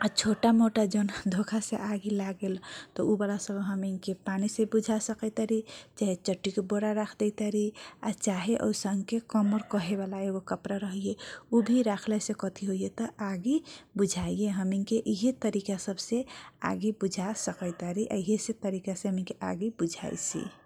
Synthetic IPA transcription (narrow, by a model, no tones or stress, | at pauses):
at͡ʃʰoʈamoʈad͡ʒənd̪ʱokʰaseʔaɡilaɡelt̪ɔubalasəbʱɦəmiŋkepanisebud͡ʒʱasəkət̪aɾit͡ʃaɦet͡ʃəʈːikeboɾaɾakʰd̪ɛt̪aɾia̰t͡ʃaɦeʔo̰səŋɡkekɔməɾkəɦeβalaeɡokəpɾaɾəɦijeubʱiɾakʰlɛsẽkɔt̪ʰiɦoijet̪ɔaɡibud͡ʒʱaijeɦəmiŋkeʔiɦet̪əɾikasəbsea̰ɡibud͡ʒʱasəkəɪt̪aɾiʔa̰iɦeset̪əɾikasẽɦəminkeʔaɡibud͡ʒʱa̰jt͡ʃʰḭ